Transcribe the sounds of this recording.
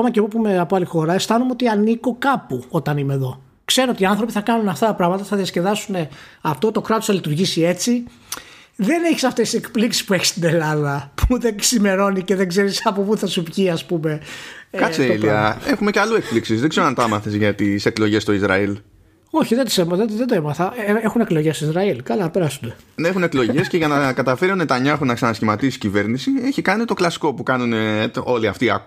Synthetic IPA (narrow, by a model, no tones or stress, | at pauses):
omɐceɣopumeɐpoalixo̞ɾɐest̪ɐnumeo̞t̪iɐniko̞kɐpuo̞t̪ɐnimeðo̞ | kse̞ɾoot̪iɐnθɾo̞piθɐkɐnunɐft̪ɐt̪ɐpɾɐɣmɐt̪ɐθɐðiɐsce̞ðɐsune̞ɐft̪o̞t̪okɾɐt̪oθɐlit̪uɾʝisie̞t͡si | ðe̞ne̞çi̥sɐft̪e̞sisekpliksi̥spueçi̥st̪ine̞lɐðɐpuðeksime̞ɾo̞niceðeɡze̞ɾisɐpopuθɐsupʝiɐspume̞kɐt͡seliɐe̞xume̞cɐluek̚pliksizðeɡze̞ɾoɐnt̪ɐmɐθezʝɐt̪ise̞klo̞ʝe̞st̪o̞izɾɐ̰il | o̞çiðet̪isemɐðeðed̪oemɐθɐeexuneklo̞ʝest̪oizɾɐilkɐlɐpeɾɐsunenexune̞klo̞ʝe̞sce̞ʝɐnɐkɐt̪ɐfeɾionet̪ɐɲɐexunɐksɐnɐsçimɐt̪isi̥cive̞ɾnisieçikɐnit̪o̞klɐsi̥ko̞pukɐnuneo̞liɐft̪iɐ